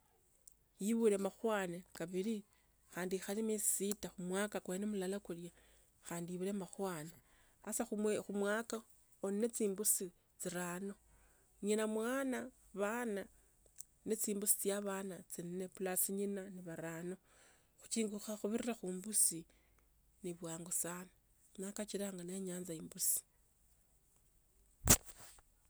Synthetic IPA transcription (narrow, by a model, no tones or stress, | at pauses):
jiβule̞maxwaːnekaβili | xaːndixalimissitaxumwaːkakwenemulalakulja | xaːndijiβulemaxwaːne | asaxuxumwaːka | onne̞t͡siːmbusi | t͡siɾaːno̞ | ɲinamwaːna | βana | net͡siːmbusi̥t͡sjaβaːnat͡sinne̞pulasiɲinaniβaɾaːno̞ | xu̥t͡ʃiːŋɡuxaxuβiɾiraxuːmbusi | niβwaːŋɡusaːna | nakat͡ʃiɾaːŋɡane̞ɲaːnzaiːmbusi̥